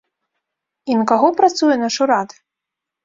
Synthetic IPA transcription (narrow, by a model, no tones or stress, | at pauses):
inkaɣɔpɾat̪sujɛnaʂuɾat̪